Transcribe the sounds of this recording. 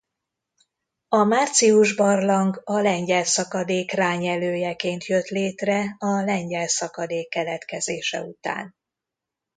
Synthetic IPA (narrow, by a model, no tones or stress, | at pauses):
ɒmaːrt̪siuʒbɒrlɒŋɡɒlɛɲɟɛlsɒkɒd̪eːkraːɲɛløːjɛkeːnt̪jøt̪leːt̪rɛɒlɛɲɟɛlsɒkɒd̪eːkːɛlɛt̪kɛzeːʃɛ̰ut̪a̰ːn